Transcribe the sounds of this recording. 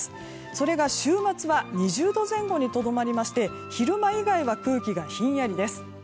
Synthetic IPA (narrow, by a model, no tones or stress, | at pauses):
ɨ̥ | so̞ɾe̞ɡaɕɨːmat͡sɨβaɲ̟iʑɨːd̪o̞zẽ̞ŋɡo̞ɲ̟it̪o̞d̪o̞maɾʲimaɕi̥t̪e̞ | çiɾɯ̟maiɡaiβakɯ̟ːkʲiɡaçĩɰ̃jaɾʲid̪e̞sɨ̥